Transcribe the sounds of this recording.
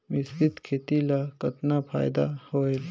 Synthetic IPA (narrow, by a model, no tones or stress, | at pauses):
mɪsd͡ʒɪt̪kʰeːt̪ilakət̪napʰa̰ːjd̪a̰hoel